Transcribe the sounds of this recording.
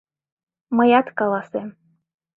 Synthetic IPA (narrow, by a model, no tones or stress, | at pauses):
məjɑt̪kɑlɑsem